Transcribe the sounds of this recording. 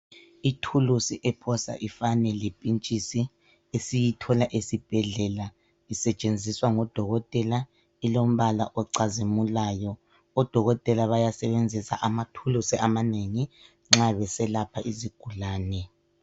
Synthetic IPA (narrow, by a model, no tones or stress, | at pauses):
itʰulusiʔɛpʰɔsa̰ʔifanɛlipʼint͡ʃʼisi | esijitʰɔlaʔesib̥ʱɛɮɛla | isɛt͡ʃʼend͡zʱiswaŋɔd̥ʱɔɣɔtʼɛla | ilom̩βala̰ʔɔǀazimulaːjɔ | ɔd̥ʱɔɣɔtʼɛlaβajasɛβend͡zʱisa̰ʔamatʰulusiamaneŋi | ŋ͡ǁaβɛsɛlapʰaʔiziɡ̥ʱulaːnɛ